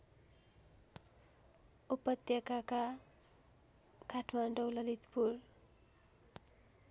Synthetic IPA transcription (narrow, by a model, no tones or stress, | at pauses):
upʌt̪jʌkaka | kaʈʰmanɖʌwlʌlit̪pur